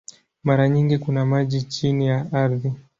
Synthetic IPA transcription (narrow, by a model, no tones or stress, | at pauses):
maɾaɲiŋɡikunamaʄit͡ʃinijaʔaɾði